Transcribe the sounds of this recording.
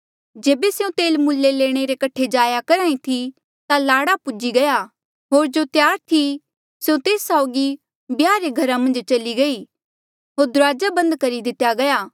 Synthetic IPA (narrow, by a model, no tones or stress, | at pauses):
d͡ʒeːbeseũt̪eːlmʊlːeleːɽ̃eɾekɐʈʰed͡ʒaːjakɐɾaːĩt̪ʰi | t̪alaːɽapʊd͡ʒiɡɐja | ɦoːɾd͡ʒot̪jaːɾt̪ʰi | seũt̪eːsːaʊɡi | bjaːɾeɡʱɐɾamɐ̃nd͡ʒt͡ʃɐliɡɐi | ɦoːɾd̪ʊɾaːd͡ʒabɐ̃nd̪kɐɾid̪ɪt̪jaɡɐjaː